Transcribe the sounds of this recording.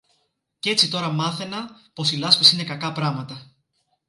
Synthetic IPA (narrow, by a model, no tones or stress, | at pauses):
ce̞t͡sit̪o̞ɾɐmɐθe̞nɐ | po̞silɐspɐsine̞kɐkɐpɾɐmɐt̪ɐ